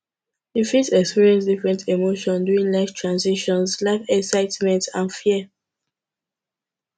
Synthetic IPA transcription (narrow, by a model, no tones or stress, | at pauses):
ifisɛkspiɹiɛ̃ns̬difɹɛ̃ntʰemoʃɔ̃nduĩnlaɪftʰɹãnsiʃɔ̃nslaɪfɛksaɪtmɛ̃ntãnfiə